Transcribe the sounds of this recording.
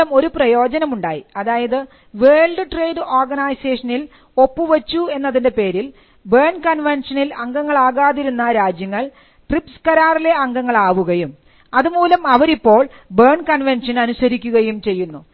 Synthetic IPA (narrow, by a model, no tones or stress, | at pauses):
ɐmo̞ɾuprɐjo̞ːd͡ʑɐnɐmuɳɖaːjiɐðaːjɐðɨ | ʋe̞ːɭɖɨʈre̞jɖɨʔoːrɡɐnaːjseːʂɐnil | o̞pːuʋɐt͡ɕːue̞nːɐðinde̞pe̞ːɾil | beːɳkɐnʋenʂɐnilɐŋɡɐŋːɐɭaːɣaːðiɾunːɐɾaːd͡ʑjɐŋːɐɭ | ʈripskɐɾaːrile̞ɐŋɡɐŋːɐɭaːʋuɣɐjum | ɐðumuːlɐmɐʋɐɾipːo̞ːɭ | berɳkɐnʋenʂɐnɐnusɐɾikʲːuɣɐjumt͡ɕe̞jːunːu